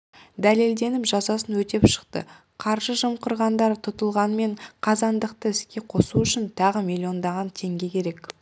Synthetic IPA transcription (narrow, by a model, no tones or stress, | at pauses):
d̪æle̞ld̪e̞nɪpʒɑsɑsənwɵt̪e̞pʃə̥qt̪ə̰ | qʰɑɾʒəʒəmqʊɾʁɑnd̪ɑɾt̪ʰʊt̪əlˠʁɑnme̞ɴqʰɑzɑnd̪əqt̪əɪskʲe̞qʰo̞suʏʃɪnt̪ʰɑʁəmilʲio̞nd̪ɑʁɑnt̪ʰe̞ŋɡʲe̞kʲʰe̞ɾe̞k